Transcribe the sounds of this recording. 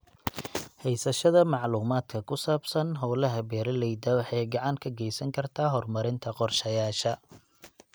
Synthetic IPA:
hɛjsɐʃɐðɐmɑʕluːmaːd̪kʰɐkʰʊsaːbsɐnɦɔwlɐɦɐbɛːɾɐlɛjd̪ɐwɑħɑjɡɑʕɑŋkʰɐɡɛjsɐŋkʰɐrt̪ʰaːɦɔrmɐɾɪnt̪ʰɐqɔrʃɐjaːʃɐ

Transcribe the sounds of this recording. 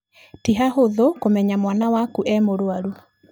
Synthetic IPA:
tiɦaɦoðokomɛɲamwanawakuʔɛmoɾoaɾu

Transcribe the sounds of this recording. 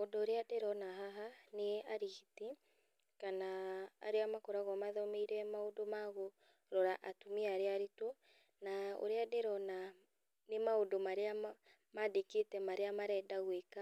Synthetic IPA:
odoːɾeadeɾɔnaɦaɦaneaɾiɣiti | kana̰ːɾeamakɔɾaɣɔmaðɔmeiɾɛmaodomaɣo | ɾɔɾaʔatumiaɾeaɾeto | nao̰ɾeadeɾɔna | nemaodomaɾea | madeketɛmaɾeamaɾɛdaɣweka

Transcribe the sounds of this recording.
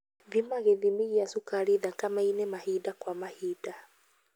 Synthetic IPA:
vimaɣeðimiɣiasukaɾiðakamainemahidakwamahida

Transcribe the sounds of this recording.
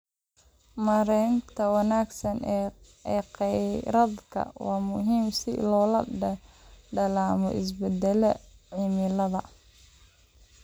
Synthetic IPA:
mɐɾɛːnt̪ʰɐwɑnaːɡsɐn | ɛːqɛɾɐd̪kʰɐ̰wɑːmʊɦiːmsɪ̰lɔːlɐɖɐɖɐlaːmɔ̰ʔɪs̬bɛd̪ɛlɐʕimɪlɐðɐ

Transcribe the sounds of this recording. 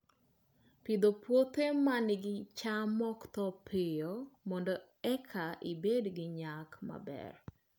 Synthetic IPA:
pid̪opwot̪emanɪɡɪt͡ʃamɔkt̪ɔpʰɪjomɔndɔ | ɛkʰaʔibedɡɪɲakma̰bɛ̰r

